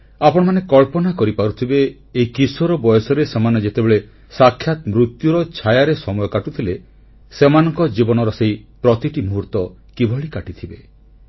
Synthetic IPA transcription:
apɔɽ̃manekɔɭpɔnakɔɾipaɾut̪ʰibeː | ikisɔɾɔbɔjɔsɔɾesemaned͡ʒet̪ebeɭe | sakʰjat̪mɾut̪juɾɔt͡ʃʰajaɾesɔmɔjɔkaʈut̪ʰile | semanɔŋkɔd͡ʒibɔnɔɾɔseipɾɔt̪iʈimuɦuɾt̪ɔ | kibʱɔɭikaʈit̪ʰibe

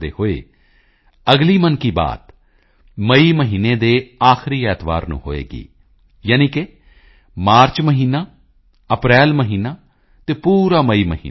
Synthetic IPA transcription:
d̪ḛːhoːḛː | əɡliːmənkiːba̰ːt̪ | məiːməɦiːneːd̪eːaːxɪɾiːɛːt̪ba̰ːɾnṵ̃ːɦo̰ːḛːɡḭː | jaːniːkɪ | maːɾt͡ʃməɦiːnaː | əpɾɛːlməɦiːnaː | t̪eːpuːɾaːməiːməɦḭː

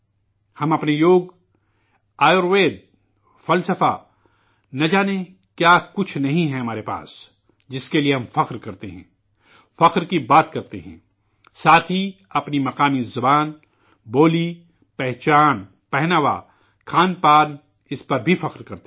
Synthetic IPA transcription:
hɐmɐpnejoːɡ | aːjoɾʋeːd̪̚ | fɐlsəfa | nɐd͡ʒaːne | kjaːkʊt͡ʃʰnɐɦĩɦɛɦɐmaːɾepa̰ːs | d͡ʒɪskelieɦɐ̃mfɐqɾkɐɾt̪eɦɛ̰̃ː | fɐqɾkibaːt̪kɐɾt̪ḛɦɛ̰̃ː | saːt̪ʰɦiɐpnimɐqaːmizɐbaːn | boːli | pɛɦt͡ʃaːn | pɛɦnaʋa̰ | kʰaːnpaːn | ɪspɐɾbʱifɐqɾkɐɾt̪

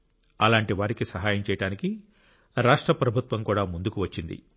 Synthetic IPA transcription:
ɐlaːɳʈiʋaːɾikisɐɦaːjɐmt͡ʃɛːjɐɽaːniki | ɾaːʂʈɾɐpɾɐbʱut̪ʋɐmkuːɽaːmund̪ukuʋɐt͡ʃːind̪ḭ

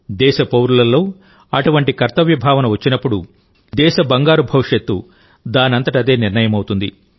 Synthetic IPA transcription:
d̪ɛːʃɐpɐwɾulɐlːo̞ː | ɐʈuʋɐɳʈikɐɾt̪ɐʋjɐbʱaːʋɐnɐʋɐt͡ʃːinɐpːuɽu | d̪ɛːʃɐbɐŋɡaːɾubʱɐʋʂjɐt̪ːu | d̪aːnɐnt̪ɐʈiɐd̪e̞ːniɾɳɐjɐmɐwt̪und̪i

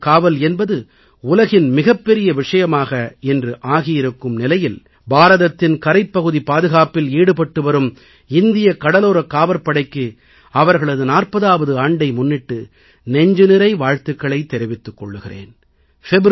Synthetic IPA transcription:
kaːʋɐlɛnbɐðɯ | ʊlɐɣɪnmɪɣɐpːɛɾɪjɐʋɪʂɐjɐmaːɣɐɛndrɯʔaːɣɪjɪɾɯkːɯmnɪlɐjɪl | baːɾɐðɐt̪ːɪnkɐɾɐɪpːɐɣɯðipaːðɯɣaːpɪliːɽɯpɐʈːɯʋɐɾɯm | ɪnd̪ɪjɐkːɐɽɐloːɾɐkːaːʋɐɾpːɐɽɐɪkːɯ | ɐʋɐɾɣɐɭɐðɯnaːrpɐðaːʋɐðɯaːɳɖɐɪmʊnːɪʈːɯ | nɛɲd͡ʒɯnɪɾɐɪʋaːɻt̪ɯkːɐɭɐɪt̪ːɛɾɪʋɪt̪ːɯkːɔɭːɯɣɪrḛːn | fɛbɾ

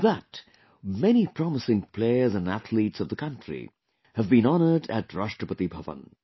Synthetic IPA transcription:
ðət | mɛñipʰɹ̥ɑməsɪ̃ŋpʰl̥eɪə˞zə̃næθlitsʌvðəkʰʌ̃ntɹ̥ḭ | hɨvbĩnɑnə˞ɾɨtɹɑʃtəpət̪ibʱʌvə̰̃n

